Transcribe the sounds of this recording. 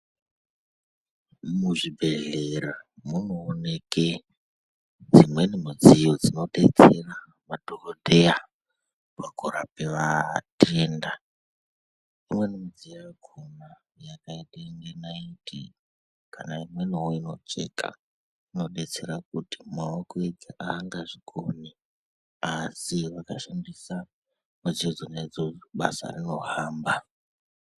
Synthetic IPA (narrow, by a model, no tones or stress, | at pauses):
muʐibʱe̞ɮeɾamunoːne̞ke | d͡zimwe̞nimud͡zijod͡zino̞ɗe̞t͡se̞ra | mad̥ʱorodʱeja | pakoɾapeʋatʰeːnda | imwe̞nemid͡zijjaɡʱoma | jakaiɗeŋɡenaitʰḭ | kʰanaimwe̞niwoino̞̰t͡ʃe̞̰ka̰ | ino̞ɗe̞t͡se̞ɾak̚uti̥maokoeɡʱiʔaːŋɡaʐikʰomi | asiʋakaʃandisa | mud͡zid͡zoned͡zoɓa̰sa̰rino̞ɦaːmba